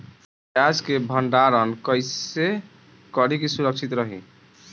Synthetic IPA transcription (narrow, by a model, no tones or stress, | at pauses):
jaskebʱəɳɖaɾənkəjse | kəɾikisuɾək̚t͡ʃʰit̪ɾəɦḭ̃